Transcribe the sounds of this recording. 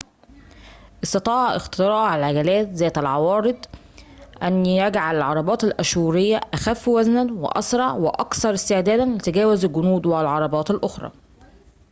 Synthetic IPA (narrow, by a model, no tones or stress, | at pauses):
ʔɪst̪ɑt̪ˤɑːʕʔɪ̰xt̪ɪɾɑːʕalʕaɡælæːt̪zæːt̪ælʕɑwɑːɾɨd̪ˤ | ʔænːijæɡʕalalʕɑɾˤɑbɑːt̪ælʔæʃuːɾɪjːæʔæxæfːwæznænwɪ̰ʔɑ̰sɾˤɑʕwɪʔɑkθɑɾˤɪst̪ɪʕd̪æːd̪ænlɪt̪æɡæːwɪzælɡʊnuːd̪walʕɑɾˤɑbɑːt̪ɪlʔoxɾˤɑ̰ː